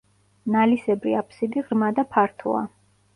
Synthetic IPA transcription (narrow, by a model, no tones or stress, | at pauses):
nalisɛbɾḭapʰsid̪iʁɾmad̪apʰaɾt̪ʰɔ̰a̰